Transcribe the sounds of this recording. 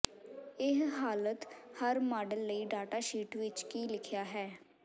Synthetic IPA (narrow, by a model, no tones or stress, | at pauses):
ɪɦɦaːlət̪həɾmaːɖəlːəiːɖaːʈaːʃiːʈʋɪt͡ʃkiːlɪkʰɪjaːɦɛː